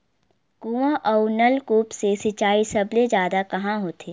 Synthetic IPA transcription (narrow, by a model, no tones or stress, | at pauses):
kuːʋãʔɔnəlkuːpsesɪt͡ʃaːisɐbled͡ʒjaːd̪akɐɦãɦoːt̪ʰeː